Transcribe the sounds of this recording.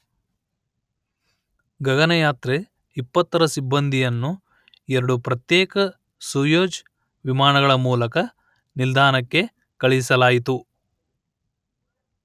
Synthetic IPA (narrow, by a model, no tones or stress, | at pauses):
ɡɐɡɐnɐjaːt̪ɾe | ipːɐt̪ːɐɾɐsibːɐnd̪ʱijɐnːu | ɛɾɐɽupɾɐt̪jɛːkɐ | suːjoːd͡ʒ | ʋimaːɳɐɣɐɭɐmuːlɐkɐ | nild̪ʱaːnɐkːe̞ | kɐɭisɐlaːjit̪u